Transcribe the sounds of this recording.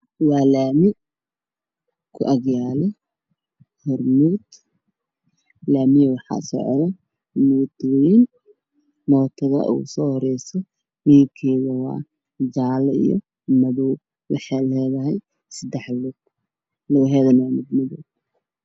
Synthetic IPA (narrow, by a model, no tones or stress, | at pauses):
wɑːlaːmɪ | kʰʊ̰ʔɐɡjaːlɛ | hɔrmuːd̪ | laːmɪjɐwɑħɑ̰sɔ̰ʕðɛ | muːd̪wjin | mɔːt̪ʰɐɣɐ̰ʔṵːsɔːhɔɾɛjsɛ | miːbkʰɛːɣɐwɑ̰ː | d͡ʒaːlḭjɔ̰ | mɐðuː | wɑ̰ħɑlɛːðɐɦɛj | sɐd̪ɛħlʊ | lɐwɦɛːðɐnɐmʊd̪mɐðuːɡ̚